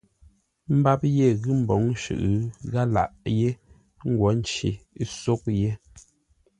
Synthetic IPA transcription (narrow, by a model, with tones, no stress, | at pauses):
m̩˦ba˦p̚je˦˨ɣɨ˦m̩˨bɔ˨˦ŋ˦ʃʉ̰˨ʔɯ˨ɣa˦la̰˨ʔje˦ | ŋ̩˦ɡwɔ˨˦n̩˦t͡ʃḭ˨˦so˦k̚je˦